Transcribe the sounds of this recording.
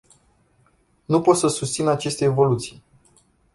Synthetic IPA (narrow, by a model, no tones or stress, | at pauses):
nupo̞t̪səsust̪sinat͡ʃe̞st̪e̞ːvo̞lut̪sij